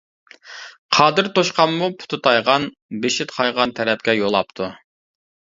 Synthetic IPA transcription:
qʰɑːd̪ɨɾt̪oʃqɑmːupʰu̥t̪ʰʊt̪ʰɑjʁɑn | beʃɪt̪qʰɑjʁɑnt̪ʰɛɾɛp̚kʲɛjolˠɑp̚t̪ʰu

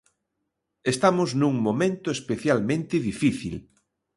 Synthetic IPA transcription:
est̪amʊznũŋmomẽnt̪ʊespeθjalmẽnt̪ɪðifiθḭl

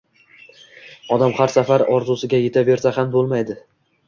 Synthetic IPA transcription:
ɒd̪amχaɾsafaɾɒɾzusɪɡʲaje̞t̪ʰave̞ɾsahambolˠmajd̪ɪ

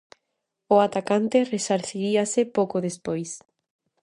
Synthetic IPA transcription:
ʊat̪akant̪ɪresaɾθiɾiasɪpowkʊðespojs

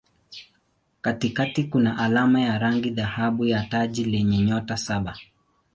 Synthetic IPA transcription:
katikatikunaʔalamajaɾaŋɡiðahaɓujataʄilɛɲɛɲɔtasaɓa

